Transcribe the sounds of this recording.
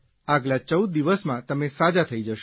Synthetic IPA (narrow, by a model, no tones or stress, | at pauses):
aɡlat͡ʃəwd̪̚ːiʋəsmãt̪əmesad͡ʒat̪ʰəid͡ʒəʃ